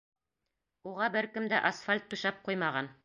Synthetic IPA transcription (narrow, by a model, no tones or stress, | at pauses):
uʁɑbɘɾkɘmd̪æʔɐsfalʲt̪ːʉ̆ʃɑp̚qujmɑʁɑn